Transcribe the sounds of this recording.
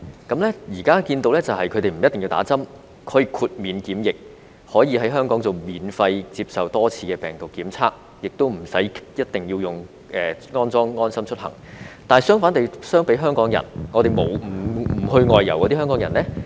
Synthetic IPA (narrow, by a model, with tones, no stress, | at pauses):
kɐ˨˥mlɛ˥jiː˨˩kaː˥kiː˧nt̪o˧wlɛ˥t͡sɐ˨whɐ˨jkʰɵ˨˧t̪e˨jm̩˨˩jɐ˥t̪ːɪ˨ŋji˧wt̪a̰ː˨˥t͡sɐ˥m | kʰɔ˨˧jkʰuː˨t̚miː˨˧nkiː˨˥mjɪ˨k̚ | hɔː˨˥jiː˨˧hɐ˨˥jɦœː˥ŋkɔː˨˥ŋt͡so˨˩wmiː˨nfɐ˧jt͡si˧p̚sɐ˨wt̪ɔː˥t͡sʰiː˧kɛː˧pɛː˨˩ŋt̪ʊ˨kːiː˨˥mt͡sʰaː˥k̚ | jɪ˨k̚t̪o˥wm̩˨˩sɐ˨˥jjɐ˥t̚t̪ɪ˨ŋjiː˧wjʊ˨ŋ | ʔɛː˨ŋɔː˥nt͡sɔː˥ŋŋɔː˥nsɐ˥mt͡ʃʰɵ˥t̚hɐ̰˨˩ŋt̪aː˨nsœː˥ŋfaː˨˥nt̪e˨˩sœː˥ŋpe˨˥jɦœː˥ŋkɔː˨˥ŋjɐ̰˨˩nŋɔː˨˧t̪e˨˩jmo˨˩wm̩˨˩m̩˨˩hɵ˧ɥŋɔː˨jːɐ̰˨˩wkɔ˨˧t̪i˥ɦœː˥ŋkɔː˨˥ŋjɐ˨˩nlɛ˥